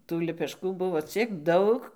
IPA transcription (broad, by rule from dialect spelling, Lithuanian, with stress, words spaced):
tuː lʲɛpʲɛˈʃkuː ˈbʊʋoː ˈt͡sʲiɛk ˈdɐʊk